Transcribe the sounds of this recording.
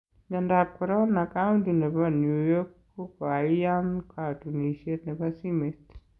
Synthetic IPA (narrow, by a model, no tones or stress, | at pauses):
ɲandap̚kɔɾɔnakauntinɛpanujokː | okaijankatuniʃetnɛpasimet